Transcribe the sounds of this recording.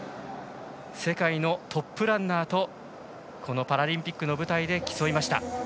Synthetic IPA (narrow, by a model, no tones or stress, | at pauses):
se̞kaino̞t̪ʰo̞pːɯ̟ɾãnːaːt̪o̞ | kʰo̞no̞paɾaɾʲĩmpʲikːɯ̟no̞bɯ̟t̪aid̪e̞kʲi̥so̞imaɕi̥t̪a̰